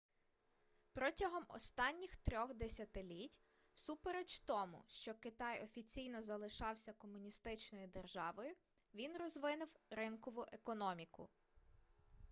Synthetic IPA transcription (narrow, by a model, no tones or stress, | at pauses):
pɾɔtʲɐɦɔmɔ̰st̪ɑnʲːixt̪ɾʲɔxd̪esʲɐt̪ɪlʲitʲ | wsupeɾet͡ʃt̪ɔmʊ̰ʃt͡ʃɔkɪt̪ɑjɔfʲit͡sʲijn̪ɔzɐlˠɪʃɑwsʲɐkɔmʊnʲist̪ɪt͡ʃnɔjid̪erʒɑʋɔjʊ | ʋʲinrɔzʋɪnʊwɾɪnkɔʋʊʔekɔnɔmʲikʊ̰